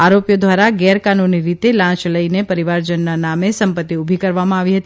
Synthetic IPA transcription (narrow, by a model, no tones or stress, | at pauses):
aɾopjod̪ʋaɾaɡɛɾkanuniɾit̪elãt͡ʃləinepəɾiʋaɾd͡ʒənːanamesəmpət̪ːiubʱikəɾʋamãaʋiɦət̪i